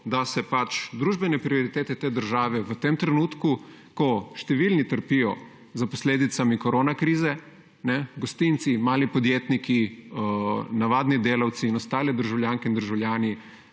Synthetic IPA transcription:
d̪asɛpat͡ʃd̪ɾuːʒbɛnɛpɾioɾit̪eːt̪ɛt̪eːd̪əɾʒaːʋɛʋət̪emt̪ɾɛnuːt̪ku | kɔʃt̪ɛʋiːlnit̪əɾpijɔ | zaposleːd̪it̪samikɔɾoːnakɾiːzɛ | nɛɡost̪int̪simaːlipod̪jeːt̪niki | naʋaːd̪nid̪eːlawt̪siːnɔst̪aːlɛd̪əɾʒawlʲjaːŋkɛind̪əɾʒawlʲjaːni

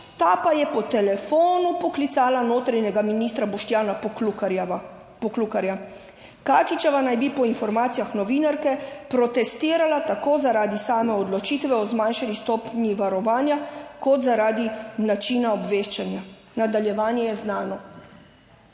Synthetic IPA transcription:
t̪aːpajɛpɔt̪ɛlɛfoːnupɔklit̪saːlanoːt̪ɾajɲɛɡaminiːst̪ɾabɔʃt̪jaːna | pɔklukaɾja | kaːt̪it͡ʃɛʋanajbipɔinfɔɾmaːt̪sijaxnɔʋiːnaɾkɛpɾɔt̪ɛst̪iːɾalat̪akoːzaɾaːd̪isaːmɛɔd̪lɔt͡ʃiːt̪ʋɛɔzmanʃanist̪ɔːpniʋaɾɔʋaːnjakɔt̪zaɾaːd̪inat͡ʃiːnaɔbʋeːʃt͡ʃanja | nad̪aljɛʋaːnjɛjɛznaːnɔ

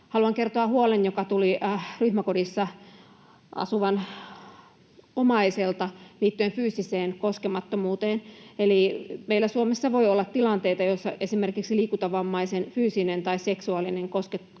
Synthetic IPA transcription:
hɑluɑŋkert̪oɑhuolenjokɑt̪uliryhmækodisːɑ | ʔɑ̰suʋɑn | omɑiselt̪ɑliːt̪ːyenfyːsiseːnkoskemɑt̪ːomuːt̪eːnelimeilːˑæsuomesːɑʋoiolːɑt̪t̪ːilɑnt̪eit̪ɑjosːɑ̰ʔesimerkiksiliːkut̪ɑʋɑmːɑisenfyːsinent̪ɑisseksuɑlineŋkosket̪

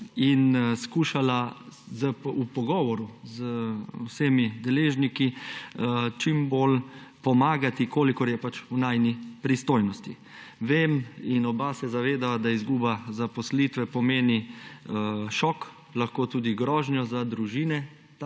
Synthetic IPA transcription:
inskuːʃala | zəupɔɡɔːʋɔɾuzwsemid̪ɛleːʒniki | t͡ʃimbolpɔmaːɡat̪ikoːlikɔɾjɛpat͡ʃunajnipɾist̪oːjnɔst̪i | ʋeminɔbasɛzaʋeːd̪aad̪aizɡuːbazapɔslit̪ʋɛpɔmeːni | ʃɔk | laxkoːt̪uːd̪iɡɾɔːʒnjɔzad̪ɾuʒiːnɛ

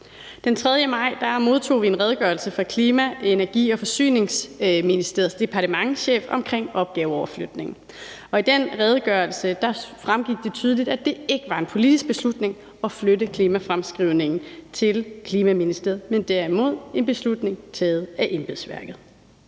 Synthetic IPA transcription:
d̥ent͡sʰʁɛð̞ˠjəmɑ̈ɪ̰d̥ɑ̈mo̝ð̞ˠt͡sʰo̝̰ːʋie̝nʁɛð̞ˠɡ̥ɶ̰ɐlsəfɑ̈kʰliːmæe̝næɐɡ̥ḭːɒ̽fɒ̽sy̰ːne̝ŋsminisd̥ḛɐð̩ˠsd̥e̝pʰɑ̈ɾʰəmɑ̈ŋɕḛːfɒ̽mkʰʁeŋ̰ɒ̽b̥ɡ̥ɛːʊɒʊɐflød̥ne̝ŋn̩ | ɒ̽id̥enʁɛð̞ˠɡ̥ɶɐlsəd̥ɑ̈fʁamɡ̥iɡ̥̚d̥e̝t͡sʰyːð̞ˠlid̥æd̥e̝e̝ɡ̥əʋɑ̈e̝npʰo̝lid̥is̚b̥e̝slud̥ne̝ŋ | ɒ̽flødəkʰliːmæfʁamsɡ̥ʁiʊne̝ŋn̩t͡sʰe̝lkʰliːmæminisd̥eð̩ˠmend̥æɐimo̝ð̞̰ˠe̝nb̥e̝slud̥ne̝ŋt͡sʰeð̩ˠæʔe̝mb̥e̝ðˠsʋæɐɡ̥ð̞̩ˠ

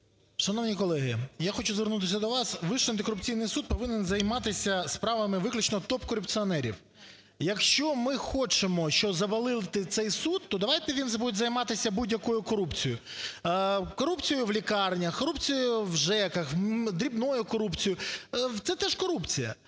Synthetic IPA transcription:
ʃɐnɔwnʲikɔlˠɛɦɪjaxɔt͡ʃuzʋernut̪̬ɪsʲɐd̪ɔʋɑsʋɪʃɐnt̪̬ɪkɔɾʊpt͡sʲijnɪjsud̪̚pɔʋɪnenzɐjmɑt̪ɪsʲɐspɾɑʋɐmɪʋɪklʲʊt͡ʃnɔt̪ɔpkɔɾʊpt͡sʲɨɔnɛɾʲḭw | jɐkʃt͡ʃɔmɪxɔt͡ʃemɔʃt͡ʃɔzɐbɐlˠɪlˠɪt̪ɪt̪sɛjsut̪ːɔd̪ɐʋɑjt̪ɛʋʲinzbud̪ezɐjmɑt̪ɪsʲɐbudʲjɐkɔjʊkɔɾupt͡sʲijʊ | kɔɾupt͡sʲijʊʋlʲikɑrnʲɐkɔɾupt͡sʲijʊʋʒɛkɐxd̪ɾʲibnɔjʊkɔɾupt͡sʲijʊt̪sɛt̪ɛʃkɔɾupt͡sʲijɐ̰

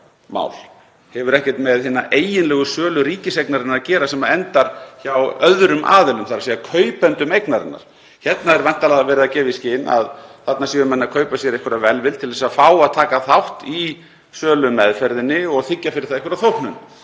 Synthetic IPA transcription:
ma̰ːwl | hɛvʏɾɛhcɛ̥t̪mɛðhɪːnːaʔeːjɪnlɛːɣʏsœːlʏɾiːcɪsejknaɾɪnaɾacɛːɾasɛmaɛnt̪aɾ̥çawœðɾʏmʔa̰ːðɛlʏmθaɾasiːakʰœɥpɛnt̪ʏmejknaɾɪ̰nːa̰ɾ̥ | çɛt̪naɛɾvan̥t̪alaɣavɛːɾɪðacɛːvɪiscɪna̰ðθat̪nasiːvʏmɛnːaðkʰœːɥpasjɛɾehkʰʏɾavɛlvɪlt̪ʰɪlðɛs̬afaːwaðt̪ʰaːkaθawht̪i | sœːlʏmɛðfɛɾðɪnːɪɔɣθɪcːafɪɾɪ̥ɾθaehkvʏɾaθowhknʏn

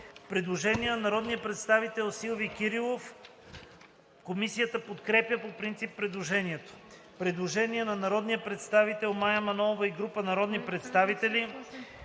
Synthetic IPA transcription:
pɾɛd̪lˠoʒɛniɛnɐnɐɾɔd̪nijəpɾɛt̪st̪avit̪ɛlˠsilˠvikʲiɾilˠof | komisijət̪əpot̪kɾɛpjəpopɾint̪sipːɾɛd̪lˠoʒɛniɛt̪o̥ | pɾɛd̪lˠoʒɛniɛnɐnɐɾɔd̪nijəpɾɛt̪st̪avit̪ɛlˠmajɐmɐnɔovɐiɡɾupənɐɾɔd̪nipɾɛt̪st̪avit̪ɛli

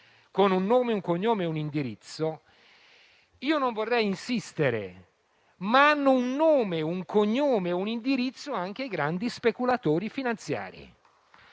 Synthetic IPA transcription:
konunːoːmeuŋkoɲːoːmeunind̪iɾit̪sːo | iːonoɱvorːɛjinsist̪eɾḛ | maanːʊunːoːmeuŋkoɲːoːmeunind̪iɾit̪sːoaŋk̟ejɡɾand̪ispekulat̪oːɾifinant̪sja̰ːɾḭ

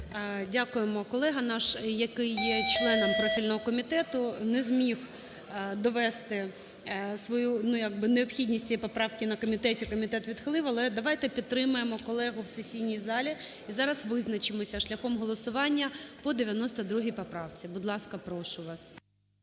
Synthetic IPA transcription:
dʲakʊjemɔkɔlˠɛɦɐnɑʃjɐkɪjːɛt͡ʃlˠɛnɔmpɾɔfʲilʲnɔɦɔkɔmʲit̪ɛt̪ʊnɛzmʲix | d̪ɔʋɛst̪ɪ | sʋɔjunujaɡ̚bɪneɔpxʲid̪ʲnʲisʲtʲijɛjpɔpɾɑwkʲɪnɐkɔmʲɪt̪ɛtʲikɔmʲɪt̪ɛt̪ʋʲid̪xlˠɪwɐlˠɛd̪ɐʋɑjt̪ɛpʲidt̪ːɾɪmʊjemɔkɔlˠɛɦʊwsesʲijnʲijzɑlʲi | izɑɾɐsʋɪznɐt͡ʃɪmɔsʲɐʃlʲɐxɔmɦɔlˠɔsʊʋɑnʲːɐpɔd̪eʋʲjɐnɔst̪ɐd̪ɾuɦʲijpɔpɾɑwt͡sʲibʊd̪lˠɑskɐpɾɔʃʊʋɑs

